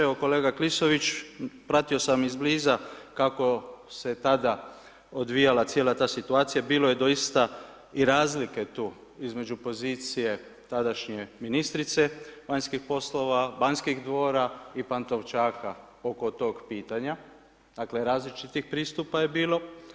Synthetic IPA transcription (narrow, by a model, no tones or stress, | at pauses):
eoko̞le̞ːɡaklisoʋit͡ʃpɾat̪io̞samizbliːzakako̞set̪ad̪a | od̪ʋijalat̪sjelat̪aːsit̪uaːt̪sijabiːlo̞je̞d̪o̞jist̪a | iɾaːzlike̞t̪uː | izme̞d͡ʒupo̞ziːt̪sije̞t̪ad̪aʃɲe̞minist̪ɾit̪seʋaɲskixpo̞slo̞ʋabaɲskixd̪ʋo̞ːɾaipant̪o̞ʋt͡ʃaːka | o̞ko̞t̪o̞ːɡpiːt̪aɲa | d̪̥aːkle̞ɾaːzlit͡ʃit̪ixpɾiːst̪upaje̞biːlo̞